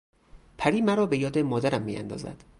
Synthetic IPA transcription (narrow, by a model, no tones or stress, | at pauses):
pʰæɾiːmæɾɒːbe̞jɒːd̪emɒːd̪æɾæmːiːæ̰nd̪ɒ̰ːzæ̰d̪̥